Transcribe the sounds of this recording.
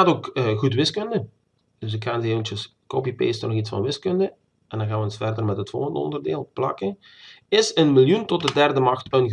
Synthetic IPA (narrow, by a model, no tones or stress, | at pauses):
aːtoːkːɣutʋɪskɵndə | d̥ɵs̬ɪkxaːnteːvəntjəskopipḛːstnɔɣitsfɑ̰nʋɪskɵndə | ɛndɑnɣaːʋənsfɛrdərmɛtətfo̰lˠɣəndəɔ̰ndərdḛːlˠplɑ̰kə | ɪsənmɪlˠjuntɔt̚dədɛrdəmɑxtənɣ